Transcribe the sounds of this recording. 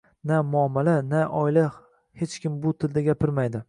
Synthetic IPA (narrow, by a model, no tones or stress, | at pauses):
namʊamːalanaʔɒɪla | het͡ʃkʲɪmbʊt̪ʰɪld̪aɡʲapʰɪɾmajd̪ɪ